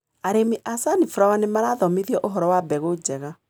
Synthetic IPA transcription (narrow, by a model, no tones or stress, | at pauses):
aɾemiʔasanifuɾawanemaɾaːðɔmeðiɔʔoɦɔɾɔwabɛɣod͡ʑɛɣa